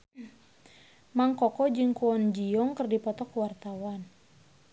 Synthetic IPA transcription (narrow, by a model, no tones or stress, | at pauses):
maŋkɔkɔd͡ʒɨŋkuɔnd͡ʒijɔŋkɨrdipɔt̪ɔkuwart̪awan